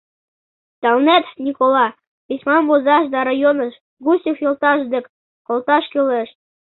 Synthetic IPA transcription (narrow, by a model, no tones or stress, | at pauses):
t̪ɑlnæt̪nʲikolˠɑ | isʲmɑnbozɑʃd̪ɑɾɑjonɤ̆ʃ | ɡusʲifjolˠt̪ɑʃd̪ɘ̆k | kolˠt̪ɑʃkyleʃ